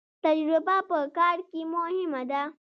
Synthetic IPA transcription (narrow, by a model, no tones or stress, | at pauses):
t̪ɐd͡ʒɾʊbapəkaːɽkimʊhɪmad̪a